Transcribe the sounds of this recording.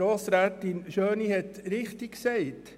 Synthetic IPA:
oːsɾæːtɪnʃøːnihɛtɾɪχtɪkksɛɪt

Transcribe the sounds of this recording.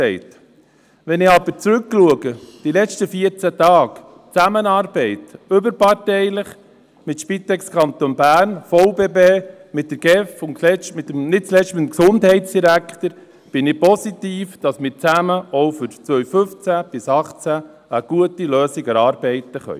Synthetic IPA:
ɛɪt̪ | ʋɛnɪɑb̥əɾt͡sɾʉkːluəɡəd̥ilɛt͡ʃtəfiəɾt͡sæt̪ɑːk | t͡sæmənɑːɾbɛɪtʏbəɾpɑrtɛɪləχ | mɪt̪ʃpit̪ɛkskʰɑnt̪onbæːɾnfɔʊbeːbeː | mɪt̚d̥əɾɡ̥ɛfʊnlɛt͡ʃtmɪt̪əmnɪt̚t͡slɛʃtmɪt̪əmksʊndhɛɪtsd̥iɾækχt̪əɾ | b̥ɪnɪpɔsit̪iːfd̥ɑsmɪɾt͡sæməɔwfʏɾt͡sʋœɥfʏft͡sæb̥ɪsɑχt͡sæ | əɡ̥uətiløːsiɡəɾɑːɾbɛɪtəχœ̰ʏ

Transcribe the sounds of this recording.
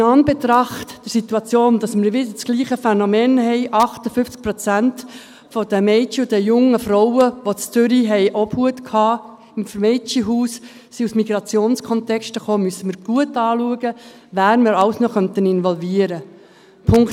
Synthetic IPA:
nɑnbɛt̪ɾɑχtd̥əɾsit̪uɑt͡sjoːnd̥̪ɑsmɪɾʋɪd̪ət͡sɡ̥liːχəfɛnɔmɛːnhɛɪʔɑχt̪əfʏft͡sk̚pɾɔt͡sænt | fɔd̪əmɛɪt͡ʃiʊd̪ɛjʊŋəfɾɔʊwəʋɔt͡st͡sʏɾiɦɛɪʔɔb̥huət̪kʰhɑː | ɪmfmɛɪt͡ʃiɦuːs | siusmiɡ̥ɾɑt͡sjoːnskʰɔnt̪ɛkʃtəχoːmyəsːəmɪɾɡ̥uətɑːluəɡə | ʋæːɾmɪɾɑwsnɔχœnt̪ənɪnʋɔlviːəɾə | pʰʊŋkt

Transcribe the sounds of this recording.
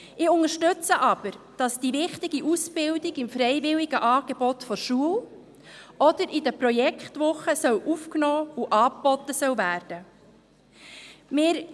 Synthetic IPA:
ɪʊŋəɾʃtʏt͡səʔɑb̥əɾ | d̥ɑsd̥ivɪχtɪɡiʔusb̥ɪldɪɡɪmfɾɛɪvɪliɡəʔɑːɡ̥eb̥ɔt̪fɔɾʃuəl | ɔd̥̪əɾidəpɾɔjɛkχtʋʊχːəsœwʔufknɔːuʔɑːpb̥ɔt̪ːəsœwvæːɾd̥ə | mɪːɾ

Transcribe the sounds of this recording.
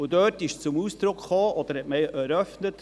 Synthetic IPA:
ʊdœːtɪʃt͡sʊmuːsd̪ɾʊkχoːʔɔd̥̪əɾhɛtmɛɪʔɛɾœfnət

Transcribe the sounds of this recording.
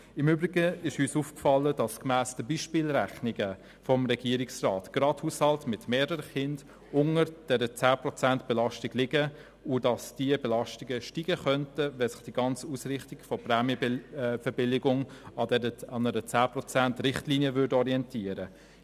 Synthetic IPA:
ɪmyːbɾɪɡəɪʃhyːsuːfkfɑləd̥ɑskmæːsdəbiːʃpiːlɾæχnɪɡə | fɔmʁɛɡ̥iːəɾɪksraːtɡ̥ɾɑthushɑltmɪtmeːɾəɾəχɪnd̥ | ʊŋəɾd̥ɛɾət͡sæːpɾɔt͡sæntb̥ɛlɑʃtɪɡ̥lɪɡə | ʊdɑsd̥iəbɛlɑʃtɪɡəʃtiːɡəχœntəvɛsɪ̥χd̥iɡɑnt͡suːsrɪχtɪɡ̥fɔprɛːmjəfəbɪlɪɡʊŋɑdɛɾəɑnəɾət͡sæːprɔt͡sæntɾɪχtliːniəvʏdɔɾiɛntiəɾə

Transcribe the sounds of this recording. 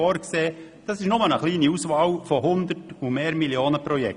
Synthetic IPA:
ɔːɾkseː | d̥ɑsɪʃnʊmənəχliːniuːsʋɑːwfɔhʊnd̪əɾtumeːɾmiljoːnəpɾɔjɛk

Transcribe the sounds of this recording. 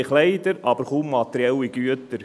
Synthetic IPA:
ɪχlɛɪd̪əɾɑb̥əɾχumːɑt̪ɛɾiɛlːiɡ̥yət̪əɾ

